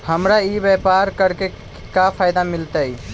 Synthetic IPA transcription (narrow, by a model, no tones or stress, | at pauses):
həmɾaibɛpaɾkəɾke | kapʰajd̪amɪlt̪ai